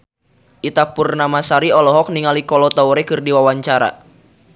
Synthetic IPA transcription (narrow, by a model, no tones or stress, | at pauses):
ʔit̪apurnamasaɾiɔlɔɦɔk̚niŋalikɔlɔt̪auɾɛkɨrdiwawaɲt͡ʃaɾa̰